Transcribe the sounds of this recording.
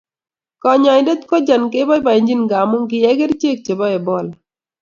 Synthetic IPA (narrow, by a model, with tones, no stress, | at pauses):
kɔ˨ɲɔ˨ɪ˨nde˦t̪kɔ˦d͡ʒa˨nke˦bɔ˦ba˨i˨ɲd͡ʒi˦nɡa˨mʊ˦ŋkɪ˨jɛ˦ɡe˦ɾt͡ʃe˦k̚t͡ʃe˨bɔ˦ɛ˨bɔ˦˨l